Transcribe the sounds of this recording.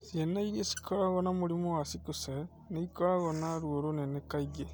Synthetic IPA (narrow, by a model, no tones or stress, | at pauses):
sienaiɾesi̥kʰoaɣonamuɾimoasikuse | neikoaɣonaɾuoɾonenekaiɡe